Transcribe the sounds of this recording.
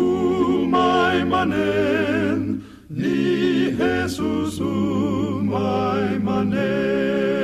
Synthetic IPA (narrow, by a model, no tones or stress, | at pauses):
umajmane | n | niɦesusu | majmane